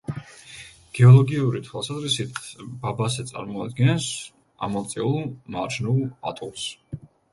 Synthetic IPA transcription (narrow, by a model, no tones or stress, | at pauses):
ɡ̥ɛɔlˠɔɡiuɾit̪ʰwɛlˠsazɾisit̪ʰbabazɛt̪sʼa̰ɾmɔad̪ɡɛnɛs | a̰mɔlˠt̪sʼɛulˠmaɾd͡ʒnulˠa̰t̪ʼulˠs